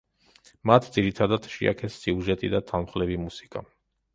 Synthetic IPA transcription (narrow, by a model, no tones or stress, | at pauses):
mat̪ʰd̪ziɾit̪ʰad̪ad̪ʃḭa̰kʰɛsːiuʒɛt̪ʼid̪at̪ʰalmχlɛvimusi̥kʼa